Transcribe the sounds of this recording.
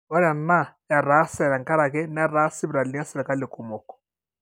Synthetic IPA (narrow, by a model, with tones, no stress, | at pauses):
ɔ˦ɾɛ˨na˦˨ja˨ɾa˨˦sɛ˨ɾa˨ŋka˦ɾa˨kɛ˦na˦ɾa˦si˦bɾa˨li˦a˦sɛ˨ɾɛ˨ka˦li˨ku˨mɔ˨kɔ̥˨